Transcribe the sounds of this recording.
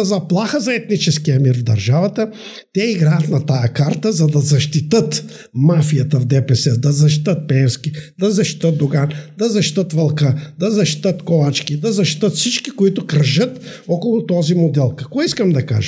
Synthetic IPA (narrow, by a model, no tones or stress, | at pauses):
zɐplˠaxəzɐɛt̪nit͡ʃɛskijɐmiɾvd̪ɐɾʒavɐt̪ə | t̪ɛiɡɾajɐt̪nɐt̪ajɐkaɾt̪əzɐd̪ɐzɐʃt̪it̪ət̪ | mafijɐt̪ɐvd̪ɛpɛsɛd̪ɐzɐʃt̪i̥t̪ət̪̚pɛːfskid̪ɐzɐʃt̪i̥t̪ət̪̚d̪oɡand̪ɐzɐʃt̪i̥t̪ət̪vɐlˠkəd̪ɐzɐʃt̪i̥t̪ət̪kolat͡ʃkid̪ɐzɐʃt̪i̥t̪ət̪fsit͡ʃkikoit̪ʊkɾʒət̪ɔkolˠʊt̪ɔzimod̪ɛlˠkɐkɔiskɐmd̪ɐka̰ʒə